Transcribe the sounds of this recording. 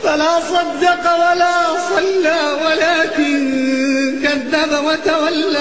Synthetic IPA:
falaːsˤɑd̪ːɪqɑwalaːsˤɑlːaːwalaːkɪn | kaðːabawat̪awalːa

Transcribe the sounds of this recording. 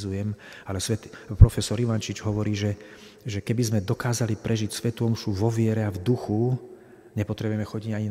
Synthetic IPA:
zujɛm | alɛsʋɛt̪pɾɔfɛsɔɾiʋant͡ʃid͡ʒɦɔʋɔɾiːʒɛ | ʒɛkɛbizmɛd̪ɔkaːzalipɾɛʒicsʋɛt̪uɔmʃuʋɔʋɪɛɾɛavd̪uxu | ɲɛpɔt̪ɾɛbujɛmɛxɔɟiɟaɲin

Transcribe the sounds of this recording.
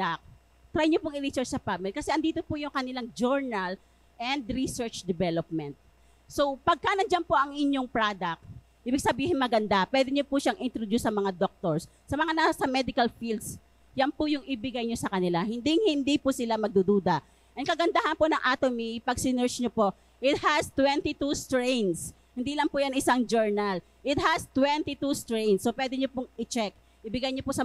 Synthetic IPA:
ak̚ | t̪ɾajɲopʊŋʔɪɾisɛɹt͡ʃsɐpamɪlikɐsɛʔɐnd̪iːt̪opʊjʊŋkɐnɪlaŋd͡ʒoɹnɐl | ʔɛnd̪ɾisɛɹt͡ʃd̪ɛvɛlop̚mɛnt̪̚ | sopɐɡ̚kanɐnd͡ʒanpoʔɐŋʔɪɲjoŋpɹad̪ɐk̚ | ʔiːbɪɡ̚sɐbiːhɪnmɐɡɐnd̪apwɛd̪ɪɲopʊʃaŋʔɪnt̪ɾod̪usːɐmɐŋad̪ok̚t̪oɹs | sɐmɐŋanasasɐmɛd̪ɪkɐlfild̪s | jɐnpʊjʊŋʔɪbɪɡajɲosɐkɐnɪlahɪnd̪ɪŋhɪnd̪ipʊsɪlamɐɡ̚d̪ʊd̪uːd̪ɐ | ʔɛn̚kɐɡɐnd̪ahɐnponɐŋʔaːt̪omipɐɡsɪnɛɹt͡ʃɲopo | ʔɪt̪̚hɐst̪wɛnt̪it̪ust̪ɹɛjns | hɪnd̪iːlɐŋpʊjɐnɪsaŋd͡ʒɛɹnɐl | ʔɪt̪̚hɐst̪wɛnt̪it̪ust̪ɹɛjnsːopwɛːd̪ɪɲopʊŋɪt͡ʃɛk̚ | ʔɪbɪɡajɲopʊsɐ

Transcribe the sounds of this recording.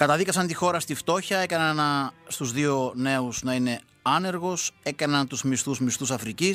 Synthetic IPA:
kɐt̪ɐðikɐsɐnt̪ixo̞ɾɐst̪ift̪o̞çɐe̞kɐnɐnɐst̪uzðio̞ne̞uznɐine̞ | ɐne̞ɾɣo̞se̞kɐnɐnt̪uzmist̪uzmist̪usɐfɾicis

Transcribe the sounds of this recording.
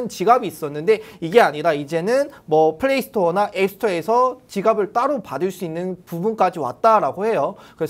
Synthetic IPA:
ɯnt͡ɕiɡabiːs͈ʌnːɯnde̞iɡe̞aɲiɾaid͡ʑe̞nɯnmwʌpʰɯɭːeisʰɯ̥tʰʌnaʔepsʰɯ̥tʰʌe̞sʰʌt͡ɕiɡabɯɭt͈aɾopadɯɭs͈uinːɯnpubunk͈ad͡ʑiwa̰t̚t͈aɾaɡohe̞jokɯɾe

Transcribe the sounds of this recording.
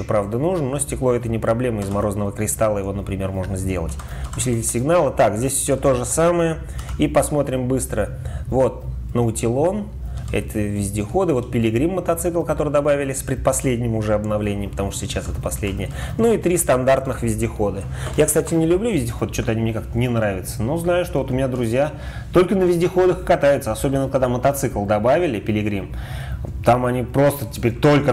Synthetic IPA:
opɾavd̪ənuʐnənosʲtʲɪklˠo̞ɛt̪ənʲɪpɾɐblʲe̞məɪzmɐɾo̞zənəvəkɾʲɪst̪alˠəjɪvo̞nəpɾʲɪmʲe̞rmo̞ʐnəzʲdʲe̞lˠətʲ | ʊsʲlʲitʲɪsʲɪɡnalˠət̪akzʲdʲesʲfsʲot̪o̞ʐəsaməjə | ipɐsmo̞t̪ɾʲɪmbɨst̪ɾə | vo̞t̪̚nəʊtʲɪlˠo̞n | ɛ̰t̪ʲəvʲɪzʲdʲɪxo̞d̪ɨvo̞t̪̚pʲɪlʲɪɡɾʲimːət̪ɐt̪sɨklˠkɐt̪o̞ɾɨjd̪ɐbavʲɪlʲɪsʲpɾʲɪd̪̚pɐsʲlʲedʲnʲɪmʊʐɛɐbnɐvlʲenʲɪjəmpə̥t̪ɐmuʂt̪əsʲɪt͡ɕasɛt̪əpɐsʲlʲedʲnʲɪjənuit̪ɾʲist̪ɐnd̪art̪nɨxvʲɪzʲdʲɪxo̞d̪ɨ | jakst̪atʲɪnʲɪlʲʉblʲuvʲɪzʲdʲɪxod̪t͡ɕːo̞t̪əɐnʲimnʲekakt̪ənʲɪnɾavʲɪt̪səno̞znajʊʂt̪oo̞t̪ʊmʲɪnʲad̪ɾʊzʲja | t̪o̞lʲkənəvʲɪzʲdʲɪxo̞d̪əxkɐt̪ajɪʊt̪səɐsobʲɪnːəkaɡd̪amːət̪ɐt̪sɨklˠd̪ɐbavʲɪlʲɪpʲɪlʲɪɡɾʲim | t̪amɐnʲipɾo̞st̪ətʲɪ̥pʲeɾʲt̪o̞lʲkə

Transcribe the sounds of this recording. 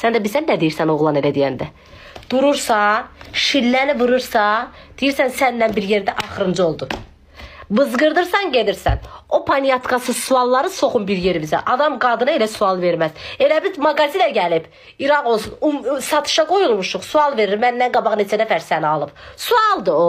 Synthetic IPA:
sænd̪æbizænːæd̪ejiɾsæno̞ɣlˠɑne̞læd̪ijænd̪æ | d̪̥uɾuɾsɑʃilːænivɯɾɯɾsɑd̪̥ijiɾsænsænːænbiɾje̞ɾd̪æʔɑχɯɾɯnd͡ʒɯo̞lˠd̪u | vɯzɡɯɾd̪ɯɾsɑnɟe̞d̪iɾsæ̰no̞pʰɑnijɑt̪kɑsɯsuɑlˠːɑɾɯso̞χunbiɾje̞ɾibizæ̰ʔɑd̪ɑmɡɑd̪ɯnɑe̞læsuɑlˠve̞ɾmæze̞læbizmɑɡɑzid̪æɟælib̥ | iɾɑno̞lˠsunusɑt̪ʰɯ̥ʃɑɡo̞julˠmuʃuχsuɑlˠve̞ɾiɾmænːænɡɑbɑχne̞t͡ʃʰæd̪æfæɾsæniɑlˠɯpsuɑlˠd̪ɯo

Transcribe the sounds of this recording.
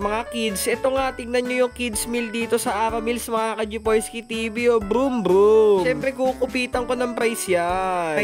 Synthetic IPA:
mɐŋakid̪sʔɛt̪oŋɐt̪ɪɡ̚nɐnɲojʊŋkid̪smild̪iːt̪o̞sɐʔaːɾɐmilsmɐŋakɐd͡ʒɪpojskit̪ibiobɾumbɾuɛmpɾɛkukʊpiːt̪ɐŋko̞nɐŋpɾajsja

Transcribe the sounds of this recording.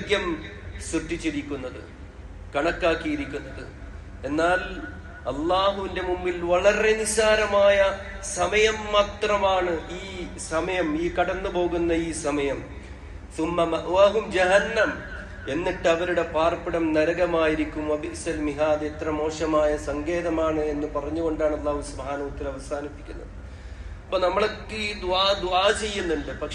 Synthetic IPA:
ɡjɐmsuʈːit͡ɕːiɾikʲːunːɐðɨ̰ | kɐɳɐkːaːkːijiɾikʲːunːɐðɨ | e̞nːaːl | ɐlːaːɦuʋinde̞mumːilʋɐɭɐre̞nisaːɾɐmaːjɐsɐmɐjɐmːaːt̪rɐmaːɳɨʔiː | sɐmɐjɐmiːkɐɽɐnːɨpo̞ːɣunːɐiːsɐmɐjɐm | sumːɐmɐʔaːɦumd͡ʑeɦɐnːɐm | e̞nːiʈːɨɐʋɐɾuɽe̞paːrpiɽɐmnɐɾɐɣɐmaːjiɾikʲːumʋɐbʱisɐlmiɦaːd̪et̪rɐmo̞ːʂɐmaːjɐsɐŋɡe̞ːðɐmaːɳɨe̞nːɨpɐrɐɲːuɣo̞ɳɖaːɳɐlːaːɦusubɦaːnɐʋɐt̪ːilɐʋɐsaːnipːi̥kʲːunːɐðɨ | ɐpːoːnɐmːɐɭɐkːɨd̪uaːd̪uaːt͡ɕe̞jːunːuɳɖɨpɐkʂ

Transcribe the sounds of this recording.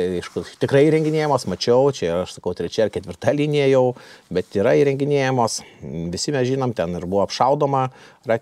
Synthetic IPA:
ɛɪʃkʊt̪ʲɪkɾɐɪiːɾʲɛŋɡʲɪnʲeːjɛmoːsmɐt͡ʃʲɛʊt͡ʃʲɛɪɐʃsɐkɐʊt̪ʲɾʲɛt͡ʃʲɛɪrkʲɛt̪ʲʋʲɪrɾt̪ɑlʲiːnʲijɛjɛʊbʲɛt̪iːɾɐiːɾʲɛŋʲɡʲɪnʲeːjɛmoːsʋʲɪsʲɪmʲɛsʒʲiːnoːmt̪ʲɛnɪɾbuʋoːɐpʃɐʊd̪oːmɐ | rɑ

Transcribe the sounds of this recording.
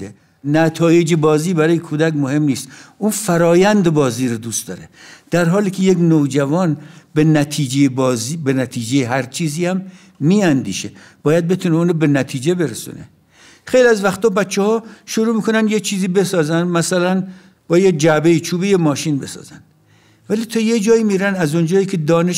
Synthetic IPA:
e | næt̪ʰɒːje̞d͡ʒebɒːziːbæɾɒːjekʰuːd̪ækmohe̞mniːst̪ʔunfæɾɒːjænd̪ebɒːziːɾod̪uːst̪d̪ɒːɾed̪̥æɾɦɒːliːkʲʰejeknod͡ʒævɒːnbenæt̪ʰiːd͡ʒejebːzibenæt̪ʰiːd͡ʒejeɦæɾt͡ʃʰiːziːhæmː | iːænd̪ḭːʃe | b̥ɒːjæd̪̚be̞t̪ʰuneuːnobe̞næt̪ʰiːd͡ʒe̞be̞ɾesṵːnḛ | xe̞jliæzvæxt̪ɒːbæt̪t͡ʃʰːehɒːʃoɾuːmiːkʰo̞nænd̪jet͡ʃʰiːziːbe̞sɒːzænd̪mæsælæn | b̥ɒːjed͡ʒæbeiːt͡ʃʰuːbejemɒːʃiːnbe̞sɒ̰ːzænd̪̥ | væliːt̪ʰɒːjed͡ʒɒːiːmiːɾænæzond͡ʒɒːjiːkʰed̪ɒːneʃ

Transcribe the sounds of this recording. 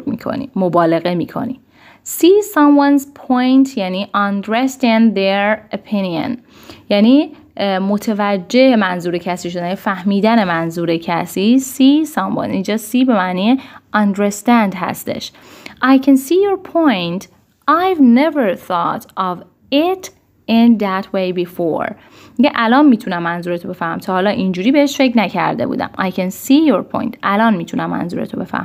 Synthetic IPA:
miːkʰo̰nḭmobɒːle̞ɣemiːkʰo̰nḭ | siːsɑ̃mwɑnzpʰojnt̪ʰjæniːʔɑnd̪ɾest̪ɪnd̪eɾopʰinio̰n | jæniː | mot̪ʰevæd͡ʒːeʔemænzuːɾecʰæsiːʃod̪ænefæhmiːd̪ænemænzuːɾecʰæsiːsiːsɒ̃mwɑ̰nind͡ʒɒːsiːbe̞mæʔniːeɒnd̪ɾest̪ænd̪ɦæ̰st̪e̞̰ʃ | ʔajkʰænsiːjoɾpʰojnt̪ | ʔajvneveɹθɔt̪ɒv | ɪt̪ | ɪnd̪æt̪ʰwejbifo̰ɾ | miɡeʔælɒːnmiːt̪ʰunæmːænzuːɾet̪ʰobe̞fæhmæ̰mt̪ʰɒːhːlɒːʔind͡ʒuːɾiːbeheʃfe̞ckʰnæcʰæ̰ɾd̪ebṵːd̪æ̰majkʰænsiːjoɾpʰo̰jnt̪ʰʔælɒːnmiːt̪ʰunæmːæ̰nzṵːɾet̪ʰobe̞fæ̰h

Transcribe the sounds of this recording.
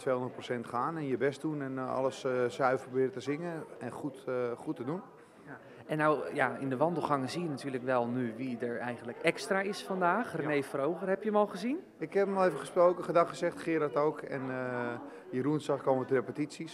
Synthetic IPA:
tʰʋeːhõndət̚prosɛntχaːnɛnjəbɛst̚dunɛnɔ̰ləssœɥfəprobɪːɾətəzɪŋəɛnχutχutədun | ɛnːawjaɪndəʋɑndəl̩ˠχɑŋəzijənatyːələkʋɛlˠnyʋidəɹɛjɣənləkɛkstraɪsfɑndaːχrənejfərowɣərɦɛpjəmɔlˠχəzin | ɪkhɛpəmɔlˠeːvəχəsprowkəχədɑxχəsɛxtχɪːɾatoːkɛ̰n | jəruənsaxkoːmətərepətisis

